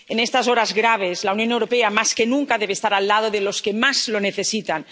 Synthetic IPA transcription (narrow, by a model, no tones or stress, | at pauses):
enest̪aso̞ɾazɣɾaβ̞e̞zlaunjo̞newɾopeamaskenũŋkaðeeːst̪aɾalːað̞oðelo̞skemazlo̞neθe̞sit̪an